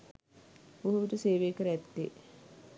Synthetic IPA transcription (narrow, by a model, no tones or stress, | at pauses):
oɦuʋiʈəseːʋeːkəɾæt̪ːe